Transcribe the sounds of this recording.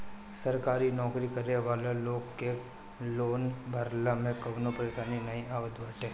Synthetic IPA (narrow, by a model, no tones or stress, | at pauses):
sɐɾkaːɾinɔːkɾikɐɾneʋaːleloːɡke | loːnbʱɐɾlamẽkɐʋnopɐɾeːʃaːninɐĩʔaːʋəd̪ʱʋaːʈɦẽː